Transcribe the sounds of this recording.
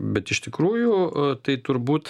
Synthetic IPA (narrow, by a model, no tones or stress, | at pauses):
bʲɛt̪ɪʃt̪ʲɪkɾuːjʊt̪ɐɪt̪ʊɾbuːt̪